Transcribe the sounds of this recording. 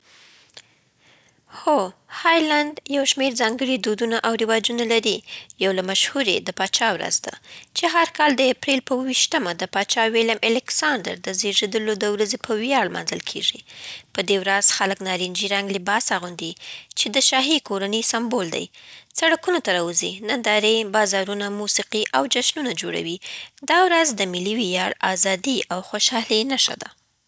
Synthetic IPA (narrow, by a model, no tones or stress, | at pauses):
xohɑjland̪jawʃmeɾzɑŋɡəɽid̪od̪unaʔawɾɪwɑd͡ʒunalaɾijawlamaʃhuɾed̪əpɑt͡ʃɑwɾa̰zd̪a̰t͡ʃeɦaɾkɑld̪əapɾelpəwəwiʃt̪əmad̪əpɑt͡ʃɑweljamʔalɪksɑnd̪ə̰ɾd̪əzeʐed̪əlod̪əwɾazepʰəwjɑɽlmɑ̰nzəlkʰḛʐipəd̪ewɾaz̥xaləknɑɾind͡ʒiɾaŋɡlɪbɑsaɣund̪it͡ʃed̪əʃɑɦikoɾanisambold̪a̰jsaɽakunot̪aɾɑwuzinand̪ɑɾebɑzɑɾunamusiqiʔawd͡ʒaʃnunad͡ʒoɽa̰wid̪ɑwɾazd̪əmɪliwijɑɽɑzɑd̪iʔawxoʃɑlenaʃa̰d̪a